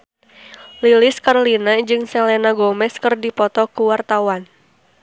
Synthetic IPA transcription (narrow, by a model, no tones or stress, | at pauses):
lilɪskarlinad͡ʒɨŋsɛlɛnaɡɔmɛskɨrdipɔt̪ɔkuwart̪awan